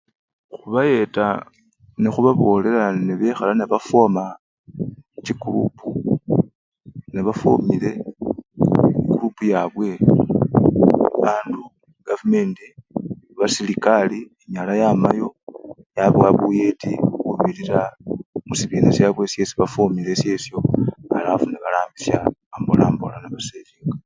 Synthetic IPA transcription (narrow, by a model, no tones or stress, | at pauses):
xuβaje̞ta | nexuβaβo̞le̞laneβexalaneβafoma | t͡ʃikulṵpu | neβafo̰mile̞ | kulupujaβwe̞ | βaːndu | ɡ̥avume̞ːnti | βasilikalieɲalajaːmajo̞ | jaβwaβuje̞tikuβiliɾamusiβiːnesjaβwe̞ːsje̞siβafoːmile̞se̞ːsjo̞alafuneβalaːmbisja̰ːmbo̰laːmbo̰lanaβaseviːŋɡa